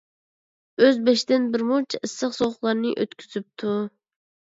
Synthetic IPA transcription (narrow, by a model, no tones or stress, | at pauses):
øzbɛʃd̪ɪnbɪɾmut͡ʃʰɛʔɨsːəχsoʁʊχlˠɑɾnɨʔø̰t̪kʲʰyzyp̚t̪ʰu